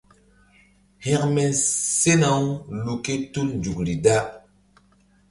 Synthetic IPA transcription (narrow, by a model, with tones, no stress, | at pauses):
hɛ̃˦kmɛ˨nse˦na˨wlu˨ke˦tu˦lnd͡ʒu˨kɾi˨da˦